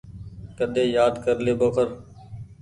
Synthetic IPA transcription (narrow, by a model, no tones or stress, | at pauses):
kəɗ̪ẽːjaːd̪kəɾleːboːkʰəɾ